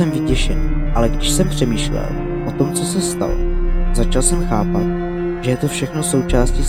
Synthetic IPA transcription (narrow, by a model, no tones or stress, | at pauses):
ɛmvɪcɛʃɛnʔalɛɡdɪʃsɛmpr̝̥ɛmiːʃlɛ̰l | ʔo̞t̪o̞mt͡so̞sɛst̪a̰lo̰zat͡ʃalsɛmxaːpat̪̚ | ʒ̥ɛjɛt̪o̞fʃɛxnoso̞wt͡ʃaːsci